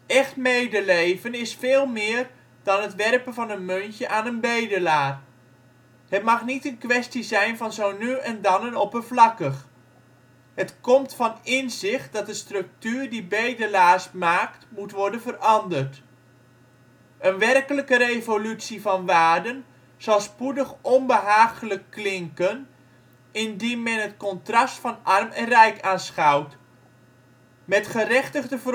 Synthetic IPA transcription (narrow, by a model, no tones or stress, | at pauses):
ʔɛχtmejdəlejvənɪsfɪːlˠmɪːr | dɑnətʋɛrpənvɑnənmøntəʔaːnənbejdəlaːr | hətmɑχnitənkʋɛstizɛjnvɑnzownyɛndɑnənɔpənvlɑkəχ | ɦətkɔmtfɑnɪnzɪχt̚dɑt̚dəstrɵk̚tyːrdibejdəlaːsmaːktmutʋɔɹdənvərɑndərt | ʔənʋɛrkələkəɾejvolytsivɑnʋaːdən | z̥ɑlˠspudəχɔnbəɦaːχələkːlɪŋkən | ɪndinmɛnɦətkɔntrɑstfɑnʔɑrmɛnrɛjkaːnsχɑwt | mɛtχərɛχtəχdəvə